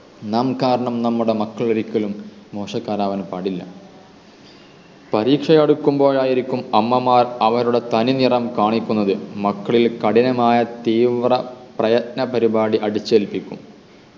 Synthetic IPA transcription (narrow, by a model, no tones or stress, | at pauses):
nɐmkaːɾɐɳɐmnɐmːuɽe̞mɐkːɐɭɐɾikʲːɐlumː | o̞ːʂɐkːaːɾaːʋɐnpaːɽilːɐ̰ | pɐɾiːkʂɐjeɽukʲːumbo̞ːjaːjiɾikʲːumɐmːɐmaːrɐʋɐɾuɽe̞t̪ɐninirɐmkaːɳikʲːunːɐðɨmɐkːɐɭilkɐɽinɐmaːjɐt̪iːʋrɐ | prɐjɐt̪̚nɐpɐɾibaːɽiʔɐɽit͡ɕːeːlpikʲːṵm